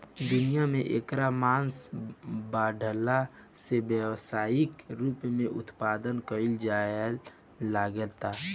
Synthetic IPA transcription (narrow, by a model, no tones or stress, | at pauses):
d̪ʊnijamẽʔeːkɾamãːnsbaːɖʱəla | sebjəwsaːɪkɾuːpmẽʔʊt̪paːd̪ənkəild͡ʒaəl | laɡəlt̪a